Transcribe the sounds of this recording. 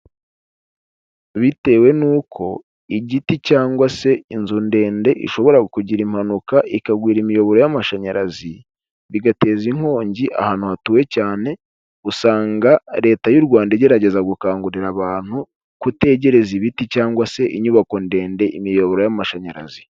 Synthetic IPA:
βite̞ːwe̞nuːkʰo̞ | iɟiticaːŋɡwase̞inzunde̞ːnde̞ʔḭʃo̞βo̞ɾaɡukuɟiɾimhanukaʔikaɡwiːɾimijo̞βo̞ɾo̞jamaʃaɲaɾazi | βiɡate̞ːziŋ̥ho̞ːɲɟiʔa̰haːn̥uhatuwe̞caːne̞ | usaːŋɡaɾe̞ːtajuɾɡwaːndeɟe̞ɾaɟe̞zaɡukaːŋɡuɾiɾaβaːn̥hu | kute̞ɟe̞ɾe̞ziβiticaːŋɡwase̞ʔiɲuβako̞nde̞ːnde̞ʔimijo̞βo̞ɾo̞jamaʃaɲaɾazi

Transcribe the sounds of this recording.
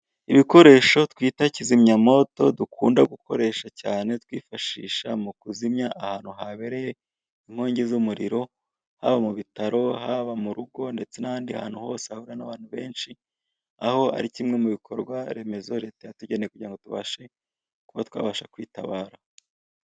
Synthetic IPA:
iβiko̞ɾe̞ːʃo̞twiːtacizimɲamo̞to̞dukʰṵːndaɡukʰo̞̰ɾe̞ːʃacaːne̞twiːfaʃḭːʃamukuzimɲaʔahaːn̥huɦaβe̞ɾe̞je | iŋ̥ho̞ːɲɟe̞zumuɾḭɾo̞ | ha̰βamuβitaɾo̞haβamuɾuɡo̞nde̞t͡se̞nahaːndia̰ha̰ːn̥huho̞ːsehahuɾanaβaːn̥huβe̞ːnʃi | aho̞a̰ɾicimŋe̞muβikʰo̞ɾɡwaɾe̞me̞zo̞ɾe̞tejatuɟe̞neekuɟiɾaŋɡo̞tuβa̰ʃe̞ | kuβatwa̰ːβaʃakwiːta̰βaːɾa

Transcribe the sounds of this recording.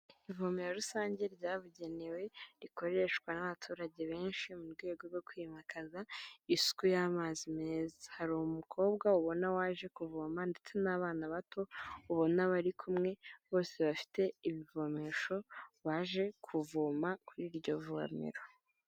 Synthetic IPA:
ivo̞meɾoɾusaːɲɟe̞ɾɟaːβuɟe̞ne̞we̞ɾiko̞ɾe̞ʃkwanaβatʰuːɾaɟe̞βe̞ːnʃimuɾɡwe̞ːɡo̞ɾɡo̞kwiːmakazaisu̥kujamaːzimeːzḁhaɾuumukʰo̞ːbɡauβo̞nawaːʒe̞kuvomande̞t͡se̞naβaːnaβato̞uβo̞naβaɾikʰumŋe̞βo̞ːse̞βafi̥te̞iβivome̞ʃo̞βaːʒe̞kʰuvomakuɾiːɾɟo̞vua̰mḭɾo

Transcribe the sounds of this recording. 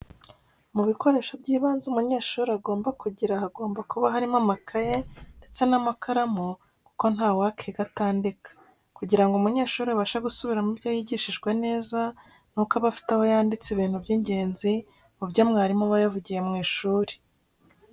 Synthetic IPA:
muβiko̞ɾe̞ːʃabɟiːβaːnzumuɲe̞ːʃuːɾiaɡo̞ːmbakuɟiɾaaɡo̞ːmbakuβaɦaɾimamakʰajende̞t͡se̞namakʰaɾamo | ku̥ko̞n̥haːwakʰeɡataːndikḁ | kuɟiɾaŋɡoumuɲe̞ːʃuːɾiaβaʃaɡusuβiɾamubjaːjiɟiʃiʒɡwene̞ːza | nukaβafi̥taho̞jaːndit͡seβiːn̥hubjiːɲɟe̞ːnzi | mubjamŋaːɾimoβajavuɟije̞mŋiːʃuːɾe̥

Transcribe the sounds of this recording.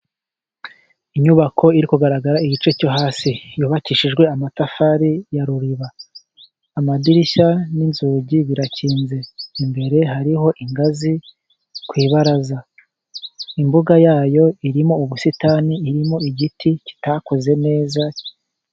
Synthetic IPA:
iɲuβakʰo̞iɾikuɡaɾaɡaɾaiɟit͡ʃe̞co̞ɦaːsijuːβaciʃiʒɡwe̞amatafaɾijaɾuɾiβaː | madiɾiʃaninzuːɟiβiɾaciːnze̞imbe̞ɾe̞ɦaɾiɦo̞ʔiŋɡazi | kwiːβaɾaza | imbuɡajaːjo̞iɾimo̞uβusitaːniːɾimo̞iɟitʰici̥takoze̞ne̞ːza

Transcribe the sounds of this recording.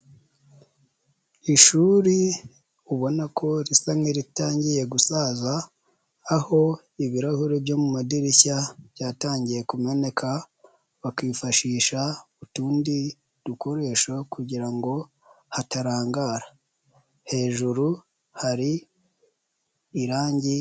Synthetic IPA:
iʃuɾi | uβo̞nakʰo̞ɾisamŋeɾitaːɲɟije̞ɡusaːzaː | ho̞ | iβiɾahuɾebjo̞mumadiɾiçabjaːtaːɲɟije̞kume̞ne̞kʰa | βakiːfaʃiːʃautuːndi | ɾuko̞ɾe̞ːʃokuɟiɾaŋɡo̞ | hataɾaːŋɡaːɾḁ | he̞ːʒuɾu | haɾi | ɾaːɲɟi

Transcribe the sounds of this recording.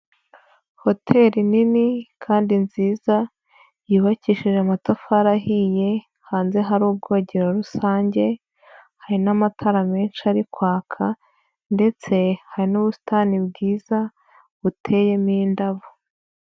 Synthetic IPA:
ho̞tʰe̞ːɾininikʰaːndinziːza | jiːβaciːʃiʒeamatafaɾahije̞ | haːnze̞ɦaɾuːb̚ɡo̞ːɟeɾaɾusaːɲɟe̞ | haɾinamatʰaɾame̞ːnʃiaɾikwaːkʰa | nde̞t͡se̞haɾinuβusi̥tanibɡiːza | βutʰe̞ːje̞mindaβo

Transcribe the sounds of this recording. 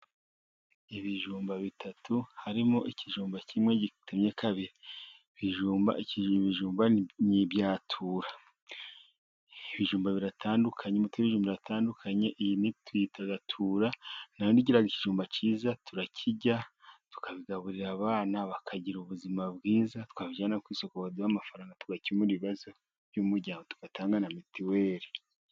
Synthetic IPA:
iβiʒuːmbaβitʰatʰuhaɾimoʔiciʒuːmbacimŋe̞ɟitʰumɲekʰaβiɾi | βiʒuːmba̰ʔiciiβiʒuːmbanibjaːtʰuːɾa | iβiʒuːmbaβiɾatʰaːndukʰaɲemutweβiʒuːmbaβiɾatʰaːndukʰaɲeʔijinitwiːtaɡatʰuːɾanajoniɟiɾaɡiciʒuːmbaciːzatʰuɾacʰiɟatu̥kʰaβiɡaβuɾiɾaβaːnaβakʰaɟiɾuβuzimabɡiːzatu̥kaβid͡ʒanakwiːsokoβaduamafaɾaːŋɡatuɡaciimuɾiβiβazo̞ | βjumuɾɟaːŋɡotu̥katʰaːŋɡanamitʰiweːɾi

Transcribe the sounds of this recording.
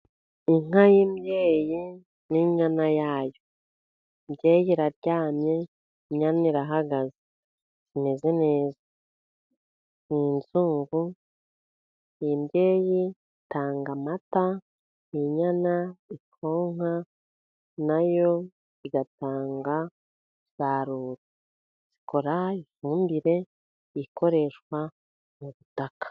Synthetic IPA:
iŋ̥ajimje̞ːji | niɲanajaːjo̞ | mje̞ːjiɾaɾɟaːmɲe̞ | iɲaniɾaɦaɡazi | zine̞ze̞ne̞ːza | ninzuːŋɡu | imje̞ːji | taːŋɡamata | iɲanaikʰo̞ːŋa | najo̞ | iɡataːŋɡa | saɾuɾi | z̥i̥kʰo̞ɾaifuːmbiɾe̞ | iko̞ɾe̞ʃkwa | muβutakḁ

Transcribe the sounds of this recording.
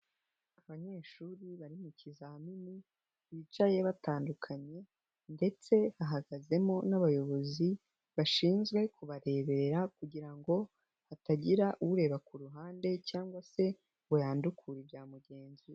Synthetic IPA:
aβaɲe̞ːʃuɾiβaɾimucizahamini | iit͡ʃaje̞βataːndukʰaɲe̞ | nde̞t͡se̞haɦaɡaze̞mo̞naβajo̞βo̞zi | βaʃiːnzɡwe̞kʰuβaɾe̞ːβe̞ɾeɾakuɟiɾaŋɡo̞ | hataɟiɾaʔuuɾe̞βakuɾuɦaːnde̞caːŋɡwase̞ | ɡojaːndukʰuɾibɟaːmuɟe̞ːnzi

